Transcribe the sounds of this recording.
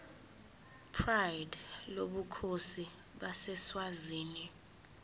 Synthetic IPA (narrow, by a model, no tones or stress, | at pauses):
pʰrajdloɓukʰosi | ɓasɛswaziːni